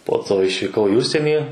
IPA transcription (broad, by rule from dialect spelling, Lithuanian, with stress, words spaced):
poː ˈtoː ɪʃʲʋʲiːˈkɐʊ iː ˈʊʃʲsʲiɛnʲiː